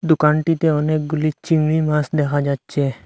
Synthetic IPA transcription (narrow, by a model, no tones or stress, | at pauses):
d̪ukaɳʈit̪eɔnek̚ɡulit͡ɕiŋɡɭimasd̪ɛkʰad͡ʒat͡ɕe